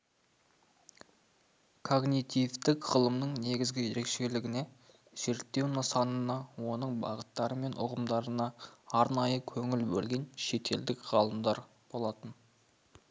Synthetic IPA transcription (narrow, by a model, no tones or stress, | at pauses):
kʰo̞ɡnit̪ijvt̪ɪkʁəlˠəmnəɴne̞ɡʲɪzɡʲɪje̞ɾe̞kʃe̞lɪɡʲɪne̞ | z̥e̞ɾt̪ːe̞wnəsɑnənɑwo̞nəɴbɑ̰ʁət̪ːɑɾəme̞nʔʊ̰ʁəmd̪ɑɾənɑːɾnɑjəkʲʰɵŋɪlbɵ̰lɡʲe̞nʃe̞t̪ʰe̞ld̪ɪkʁ̥ɑlˠəmd̪ɑɾ | b̥o̞lˠɑt̪ən